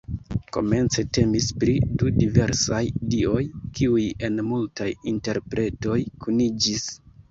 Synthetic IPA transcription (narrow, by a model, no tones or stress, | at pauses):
ko̞̰me̞nt͡se̞te̞mispɾidudive̞ɾsajdio̞jkiuje̞nmultajinte̞ɾpɾe̞to̞jkunid͡ʒis